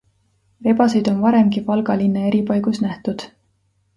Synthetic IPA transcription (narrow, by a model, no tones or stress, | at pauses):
re̞bɑsejd̪̥o̞nvɑɾe̞mɡipɑlɡɑlinːee̞ɾipɑjɡ̥usnæht̪ud̪̥